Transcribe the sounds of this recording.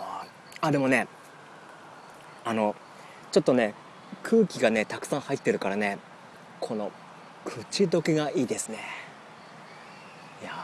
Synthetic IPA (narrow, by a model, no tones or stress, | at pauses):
ad̪e̞mo̞ne̞ | ano̞ | t͡ɕo̞t̪ːo̞ne̞ | kʰɯ̟ːkʲiɡane̞t̪akɯ̥sãɰ̃hait̪ːe̞ɾɯ̟kaɾane̞ | kʰo̞no̞ | kʰɯ̟t͡ɕid̪o̞kʲeɡaʔiːd̪e̞sɨne̞ | ja